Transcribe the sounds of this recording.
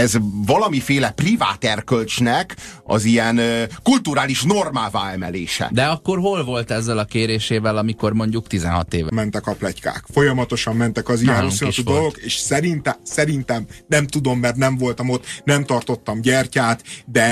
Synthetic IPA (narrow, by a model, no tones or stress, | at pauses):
ɛzvɒlɒmifeːlɛpriva̰ːt̪ɛrkølt͡ʃnɛkɒ̰zijɛnkult̪uɾaːliʃno̞rmaːvaːɛmɛ̰lḛːʃɛ̰d̪ɛɒkːo̞rɦo̞lvo̞lt̪ɛzːɛlɒkeːɾeːʃeːvɛlɒmiko̞rmo̞ɲɟukt̪izɛ̰nɦɒ̰t̪eːvmːɛnt̪ɛkɒplɛcka̰ːkfo̞jɒmɒt̪o̞ʃɒmːɛnt̪ɛkɒzijɛnosiud̪olɡoɡeːʃsɛɾint̪ɛsɛɾint̪ɛmnɛmt̪ud̪o̞mːɛrt̪nɛɱvo̞lt̪ɒmo̞t̪ːnɛmt̪ɒrt̪o̞t̪ːɒmɟɛrcaːt̪d̪ɛ